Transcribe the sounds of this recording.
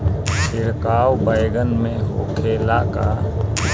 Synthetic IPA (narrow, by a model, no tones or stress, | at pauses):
ɪɾkaːwbəjɡənmẽɦo̰kʰeːlaka